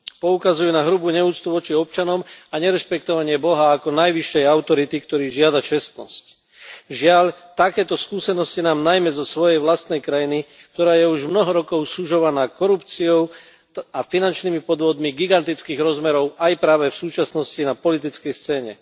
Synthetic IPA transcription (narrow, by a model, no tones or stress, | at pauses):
pɔukazujunaɦɾubuːɲɛuːt͡st̪uʋɔt͡ʃiɔp̚t͡ʃanɔmaɲɛɾɛʃpɛkt̪ɔʋaɲɪɛbɔɦaːkɔnajʋiʃːɛjaʊt̪ɔɾit̪ikt̪ɔɾiːʒɪad̪at͡ʃɛst̪nɔ̰sc | ʒɪaʎ | t̪akɛːt̪ɔskuːsɛnɔscinaːmnajmɛzɔsʋɔjɛjʋlast̪nɛjkɾajini | k̚t̪ɔɾaːjɛuʒmnɔɦɔɾɔkɔʊsuʒɔʋanaːkɔɾupt͡siɔʊ | afinant͡ʃniːmipɔd̪ʋɔd̪miɡiɡant̪it͡skiːɣɾɔzmɛɾɔʊʔajpɾaːʋɛfsuːt͡ʃasnɔscinapɔlit̪̬it͡skɛjst͡sɛːɲɛ̰